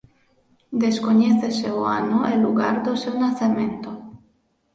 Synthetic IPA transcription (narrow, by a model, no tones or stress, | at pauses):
d̪eskoɲeθeseoa̰noʔelːuɣaɾd̪osewnaθemẽnt̪o